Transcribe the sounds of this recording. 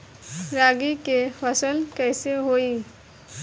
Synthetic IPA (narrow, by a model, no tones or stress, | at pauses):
ɾaːɡikefəsəlkɛːseɦoi